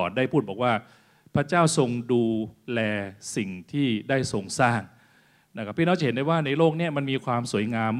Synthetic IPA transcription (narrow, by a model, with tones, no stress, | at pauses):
ɔː˨˩n̚daː˥˩jpʰuː˥˩t̪̚bɔː˨˩k̚waː˥˩ | pʰɾa˦˥˩t͡ɕaː˥˩wso˧ŋduː˧lɛː˧si˨˩ŋt̪ʰiː˥˩daː˥˩jso˧ŋsaː˥˩ŋ | na˥kʰa˥˩pʰːiː˥˩nː˦˥t͡ɕa˨˩he˩˦da˧jwaː˥˩na˧jloː˥˩k̚ni˥˩ɐma˧nmiː˧kʰwaː˧msu˨˩˦əjŋaː˧m